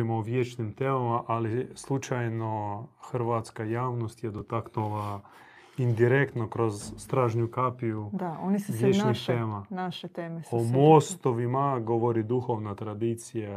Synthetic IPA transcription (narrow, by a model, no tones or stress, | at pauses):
imoːʋjet͡ʃnimt̪eːmamaʔalislˠut͡ʃajnoxɾ̩ʋat̪skajaːʋnost̪jed̪ot̪aknula | ind̪iɾekt̪nokɾozːt̪ɾaːʒɲukaːpijud̪aonisʋjeːt͡ʃnixteːmanaʃet̪eːmeomost̪oʋimaɡoʋoɾid̪uxoʋnat̪ɾad̪iːt̪sija